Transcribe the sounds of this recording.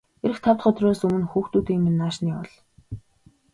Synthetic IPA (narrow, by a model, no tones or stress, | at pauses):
eɾɘ̆xt̪ʰawt̪χə̆t̪roːsɵmɘ̆nxuːxt̪uːt̪iːŋmenːaːʃniːɔɮ